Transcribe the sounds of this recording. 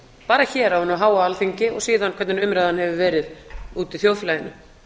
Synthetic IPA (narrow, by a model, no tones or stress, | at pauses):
paːɾaçɛːɾawhanʏmaɦaːwaalθiɲcɪɔɣsiːðanːkʰvɛɾt̪nɪnʏmɾajðhanhɛvʏvɛːɾɪðuːt̪iθjowflajɪnːʏ